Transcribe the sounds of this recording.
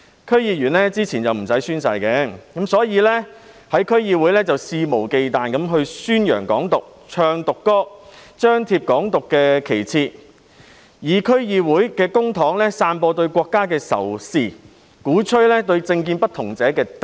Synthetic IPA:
kʰɵ˥ɥjiː˧jyː˨˩nlɛː˥t͡siː˥t͡sʰiː˨˩nt͡sɐ˨wm̩˨˩sɐ˨˥jsyː˥nsɐ˧jkɛ˨˧kɐ˨˥msɔː˨˥jiː˨˧lɛ˥ | hɐ˨˥jkʰɵ˥ɥjiː˧wuː˨˥jlɛː˥t͡sɐ˨wsiː˧mo˨˩wke˨jt̪aː˨nkɐ˨˥mɦɵ˧ɥsyː˥njœ̰ː˨˩ŋkɔː˨˥ŋt̪ʊ˨k̚ | t͡ʃʰœː˧ŋt̪ʊ˨kːɔː˥t͡ʃœː˥ŋt̪ʰiː˧p̚kɔː˨˥ŋt̪ʊ˨kːɛː˧kʰe˨˩jt͡sʰiː˧t̚ | jiː˨˩kʰɵ˥ɥjiː˧wuː˨˥jkɛː˧kʊ˥ŋt̪ʰɔː˨˥ŋlɛː˥saː˧npɔː˧t̪ɵ˧ɥkʷɔː˧kːaː˥kɛː˧sɐ̰˨˩wsiː˨˧ | kuː˨˥t͡ʃʰɵ˥ɥlɛː˥t̪ɵ˧ɥt͡sɪ˧ŋk̬iː˧npɐ˥t̪ʰʊ˨˩ŋt͡sɛː˨˥kɛː˧t̪

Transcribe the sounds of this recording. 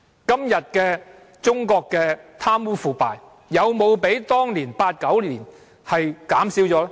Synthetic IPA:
kɐ˥mjɐ˨t̚kɛː˧ | t͡sʊ˥ŋkɔː˧kːɛː˧t̪ʰaː˥mwuː˥fuː˨˩paː˨jː | ɐ˨˧wmo˨˧wpe˨˥jt̪ɔː˥ŋliː˨˩npaː˧t̚kɐ˨˥wliː˨˩n | hɐ˨jkaː˨˥msiː˨˥wt͡sɔː˨˥

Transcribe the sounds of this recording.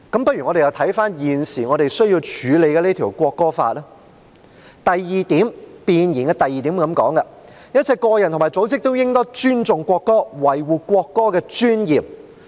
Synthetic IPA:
kɐ˨˥mpɐ˥ɥy˨˩ŋɔː˨˧e˨jɐ˧wt̪ʰɐ˨˥jfaː˥njiː˨nsiː˨˩ŋɔ˨˧ɾe˨jsɵ˥ɥjiː˧wt͡ʃʰyː˨˧le˨˧jkɛː˧le˥t̪ʰi˨˩wkʷɔː˧kːɔː˥fa̰ː˧t̚la˥ | t̪ɐ˨jːiː˨t̪iː˨˥mpiː˨˧njiː˨˩nkɛ˧t̪ɐ˨jiː˨t̪iː˨˥mkɐ˨˥mkɔ̰ː˨˥ŋkɐ˧ | jɐ˥t̚t͡sʰɛ˧jkɔː˧jɐ˨˩nt̪ʰmː˨jt͡so˨˥wt͡sɪ˥k̚t̪o˥wjɪ˥ŋt̪ɔː˥t͡ʃyː˥nt͡sʊ˨ŋkʷɔː˧kːɔː˥wɐ˨˩jwuː˨kʷɔː˧kːɔː˥kɛː˧t͡ʃyː˥njiː˨˩p̚

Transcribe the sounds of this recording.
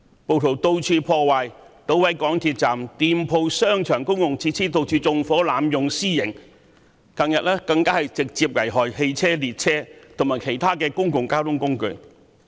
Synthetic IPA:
po˨wt̪ʰo˨˩wt̪o˧wt͡ʃʰyː˧pʰɔː˧waː˨j | t̪o˨˧˥wwɐ˨˥jkɔː˨˥ŋt̪ʰiː˧t̚t͡saː˨˩mt̪iː˨mpʰo˧wsœː˥ŋt͡ʃʰœː˨˩ŋkʊ˥ŋkʊ˨ŋt͡sʰiː˧t͡sʰiː˥t̪o˧wt͡ʃʰyː˧t͡sʊ˨ŋfɔː˨˥laː˨˧˥mjʊ˨ŋsiː˥jɪ˨˩ŋ | kɐ˧ŋjɐ˨t̚lɛː˥kɐ˧ŋkaː˥hɐ˨˩jt͡sɪ˨k̚t͡siː˧p̚ŋɐ˨˩jɦɔː˨jhe˧jt͡sʰɛː˥liː˨t̚t͡sʰɛː˥t̪ʰʊ˨˩ŋmaː˨jkʰe˨˩jt̪ʰaː˥kɛː˧kʊ˥ŋkʊ˨ŋkaː˥t̪ʰʊ˥ŋkʊ˥ŋkɵ˧ɥ

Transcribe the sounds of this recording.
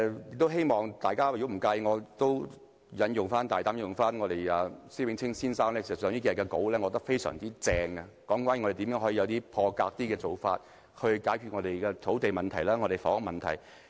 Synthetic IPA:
jɪ˨k̚t̪o˥wɦe˥jmɔː˨ŋt̪aː˨jkaː˥˨ɡm̩˨˩kɐ˧jŋɔː˨˧t̪o˥w | jɐ˨˧njʊ˨ŋfaː˥nt̪aː˨jt̪aː˧˥mjʊ˨ŋfaː˥nŋɔː˨˧ɾe˨˩jɐ˨si˥wɪ˨˥ŋt͡sʰɪ˥ŋsiː˥nsaː˥ŋnlɛː˥kʰe˨˩sɐ˩tsœː˨˧˥niː˥kiː˧˨˩kɛ˧ko˨˥wlɛː˥ŋɔ˨˧˥t̪ɐ˥k̚fe˥jsœ̰ː˨˩ŋt̪iː˥t͡sɛː˧ŋɐ˧kɔː˨˥ŋkʷwaː˧˥ni˨ɔ˧ɾe˨t̪i˨˥mjœː˨˥ŋɦɔː˨˥iː˧jɐ˨˧wt̪iː˥pʰɔː˧kaː˧k̚t̪iː˥kɛː˧t͡so˨wfaː˧t̚ | hɵ˧ɥkaː˨˥jkʰy˧t̚ŋɔː˨˧e˨˩jkɛː˧t̪ʰo˨˥wt̪e˨jmɐ˨nt̪ʰɐ˨˩jlaː˥ŋɔ˨˧ɾe˨jfɔ̰ː˨˥ŋʊ˧mɐ˨nt̪ʰɐ̰˨˩j

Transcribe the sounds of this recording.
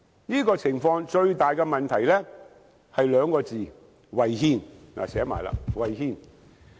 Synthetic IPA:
niː˥kɔː˧t͡sʰɪ˨˩ŋfɔː˧ŋt͡ʃɵ˧ɥt̪aː˨jkɛ˧mɐ˨nt̪ʰɐ˨˩jlɛ˥ | hɐ˨jlœː˨˧ŋkɔː˧t͡siː˨ | wɐ˨jhiː˧nna̰ː˨sɛː˨˥ma̰ː˨jla̰ː˧wɐ˨jhiː˧n

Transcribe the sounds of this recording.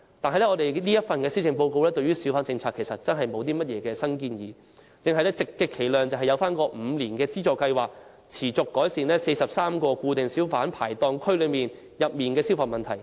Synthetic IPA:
t̪aː˨nɐ˨jlɛ˥ɔː˨˧d̪e˨jniː˥jɐ˥t̚fɐ˨nkɛː˧siː˥ɪ˨˩ŋpo˧wko˧wlɛː˥t̪ɵ˧ɥyː˥si˨˥wfaː˨˥nt͡sɪ˧ŋt͡sʰaː˧kʰːe˨˩sɐ˨t̚t͡sɐ˥nɦɐ˨jmo˨˧wt̪iː˥mɐ˥t̚jɛː˨˧kɛː˧sɐ˥ŋkiː˧njiː˨˧ | t͡sɪ˨˧ŋɦɐ˨jlɛː˥t͡sɪ˨kːɛː˧kʰːe˨˩jlœː˨ŋt͡sɐ˨wɦɐ˨jɐ˨˧wfaː˥nkɔː˧m̩˨˧liː˨˩nkɛː˧t͡siː˥t͡sɔː˨˩kɐ˧jwaː˨k̚ | t͡sʰiː˨˩t͡sʊ˨kːɔː˨˥jsiː˨nlɛː˥se˧jsɐ˨p̚saː˥mkɔː˧kuː˧t̪e˨˩ŋsi˨˥wfaː˨˥npʰaː˨˩jt̪ɔː˧ŋkʰɵ˥ɥlɵ˨˧ɥmiː˨n | jɐ˨p̚miː˨nkɛː˧si˥wfaː˨˩mɐ˨nt̪ʰɐ˨˩j

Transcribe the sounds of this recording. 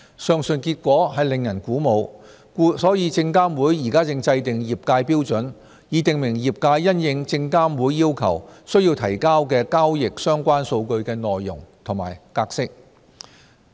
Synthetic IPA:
sœː˨˧ŋsɵ˨nkiː˧t̚kʷɔː˨˥ɦɐ˨jlɪ˨ŋjɐ˨˩nkuː˨˥mo˨˧w | ku˧˥sɔː˨˥jiː˨˧t͡sɪ˧ŋkaː˥mwuː˨˥jːiː˨˩kaː˥t͡sɪ˧ŋt͡sɐ˧jt̪ɪ˨ŋjiː˨˩p̚kaː˧jpiː˥wt͡sɵ˨˥n | jiː˨˧t̪ɪ˨ŋmɪ˨˩ŋjiː˨p̚kaː˧jːɐ˥njɪ˧ŋt͡sɪ˧ŋkaː˥mwuː˨˥jːiː˥wkʰɐ̰˨˩wsɵ˥ɥjiː˧wt̪ʰɐ˨˩jkaː˥wkɛː˧kaː˥wjɪ˨k̚sœː˥ŋkʷaː˥nso˧wkɵ˧ɥkɛː˧nɔː˨jːʊ˨˩ŋt̪ʰʊ˨˩ŋma̰ː˨˩jkaː˧k̚sɪ˥k̚

